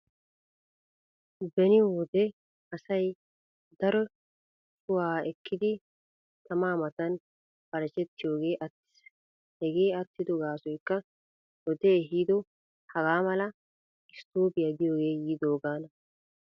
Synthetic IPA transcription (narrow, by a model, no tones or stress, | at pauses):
bɛnɪwɔd̪ɛ | ɐsɐj | d̪ɐɾɔ | t͡ʃʼʊwaːɛkːɪd̪ɪ | t̪ʰɐmaːmɐt̪ɐn | b̥ɐɾɐt͡ʃɛt̪ːɪjo̞ːɡe̞ːʔɐt̪ːɪ̥s | hɛɡe̞ːɐt̪ːɪd̪ɔɡaːsɔjkːɐ | wɔd̪eɦiːd̪ɔ | hɐɡaːmɐlɐ | ɪst̪oːbɪjɐɡɪjo̞ːɡe̞ːjiːd̪oːɡaːnɐ